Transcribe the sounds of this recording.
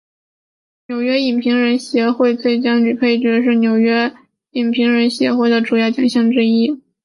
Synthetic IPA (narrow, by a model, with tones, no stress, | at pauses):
njo˨˩ʊɥɛ˥i˨˩npʰi˧˥ŋɻə˧˥nɕjɛ˧˥xwe˥˧ɪt͡swe˥˩ɪt͡ɕjɑ˥ŋny˨˩pʰe˥˩ɪt͡ɕɥɛ˧˥ʂ̬ɻ̩˥˩njo˨˩ʊɥɛ˥ | i˨˩npʰi˧˥ŋɻə˧˥nɕjɛ̰˧˥xwe˥˩ɪd̪ə˩ʈ͡ʂu˨˩jɑ˥˩ʊt͡ɕjɑ˨˩ŋɕjɑ˥˧ŋʈ͡ʂɻ̩˥˧i˥˩